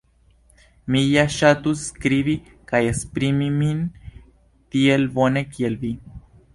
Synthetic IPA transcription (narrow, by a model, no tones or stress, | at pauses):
mijaʃat̪uskɾiβi | kajespɾimimin | t̪ielbo̞ne̞kielvi